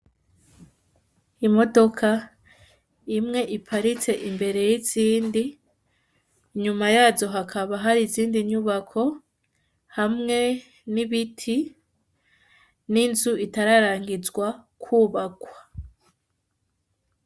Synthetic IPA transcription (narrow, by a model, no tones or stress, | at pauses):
imo̞do̞kʰa | imŋe̞ʔipʰaɾit͡se̞ʔimbe̞ɾe̞jiziːndi | ɲumajaːzo̞ɦakʰaβaɦaɾiziːndiɲuβakʰo̞ | hamŋe̞ | niβitʰi | ninzuitaɾaɾaːŋɡizɡwakʰuːβakwḁ